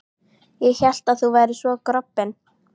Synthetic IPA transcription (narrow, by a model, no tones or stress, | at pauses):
jɛɣçɛl̥t̪aðθuvajɾɪsvɔkɾɔpːɪn